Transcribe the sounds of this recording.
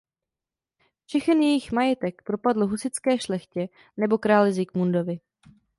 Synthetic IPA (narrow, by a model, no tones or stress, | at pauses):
fʃɛxɛnjɛjɪxmajɛt̪ɛkpɾo̞padl̩ɦusɪt͡skɛːʃlɛxcɛ | nɛbo̞kɾaːlɪzɪkmundo̞vɪ